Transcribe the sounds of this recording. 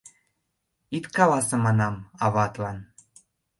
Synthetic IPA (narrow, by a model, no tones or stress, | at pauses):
it̪kɑβɑsɤ̆mɑnɑmɑβɑt̪lɑn